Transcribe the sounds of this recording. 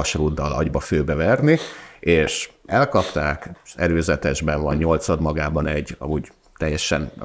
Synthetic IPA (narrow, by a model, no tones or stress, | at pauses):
ɒʃruːd̪ːɒlɒ̰ɟbɒføːbɛvɛrnieːʃɛlkɒpt̪aːkɛɾøːzɛt̪ɛʒbɛɱvɒɲːo̞lt̪sɒd̪mɒɡaːbɒnɛɟːɒ̰muɟ | t̪ɛjːɛʃɛ̰n